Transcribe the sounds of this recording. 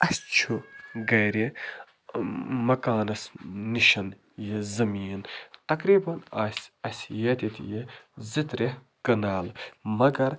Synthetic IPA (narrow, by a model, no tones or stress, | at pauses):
ɐst͡ʃʰuɡɐjɾi | mɐkaːnɐsːiʃɐn | jizɐmiːnt̪ɐkɾiːbɐna̰ːsʲɐsʲjɐt̪ʲit̪jezit̪ɾeh | kɐnaːlmɐɡɐɾ